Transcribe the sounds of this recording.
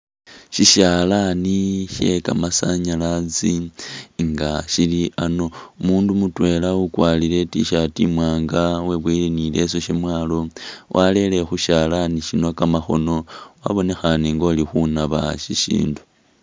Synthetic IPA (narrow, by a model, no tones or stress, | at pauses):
ʃiʃalaniʃe̞ka̰masaɲalat͡si | ŋɡaʃiliʔano̞umuːndumutwe̞laukwaːlile̞tḭʃatimwaːŋɡawe̞βwilenile̞so̞ʃemwaːlo̞wʔale̞le̞xuʃalaniʃinokamaxo̞̰no̞wa̰βo̞ne̞xaneŋɡo̞ːlixunaβaʃiʃḭːndu